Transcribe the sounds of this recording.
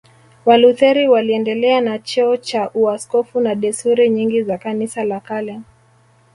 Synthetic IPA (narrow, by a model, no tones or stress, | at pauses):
waluθɛɾiwaliɛndɛlɛanat͡ʃɔɔt͡ʃaʔuaskɔfunaɗɛsuɾiɲiŋɡizakanisalakalan